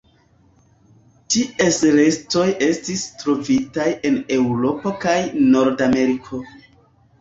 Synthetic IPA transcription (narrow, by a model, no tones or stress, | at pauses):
tiʔesle̞sto̞je̞stistɾo̞vitaje̞ne̞wɾo̞pokajno̞ɾdame̞ɾikʰo̞